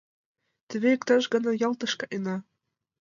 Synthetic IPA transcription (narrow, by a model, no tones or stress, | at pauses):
t̪ɘ̆βʲeekt̪ɑʒɡɤ̆nɑjɑlˠt̪ɤ̆ʃkɑʔenɑ